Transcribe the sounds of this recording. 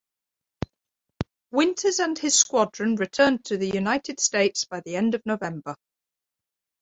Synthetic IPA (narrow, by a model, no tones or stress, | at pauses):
wɪ̃ntʰəzə̃nɪz̥skwɒdɹə̃nɹɪtʰɜːntʰəðəjʉnaɪtʰɪd̥steɪtsb̥aɪðiɛ̃ndəvnəʊvɛ̃mbə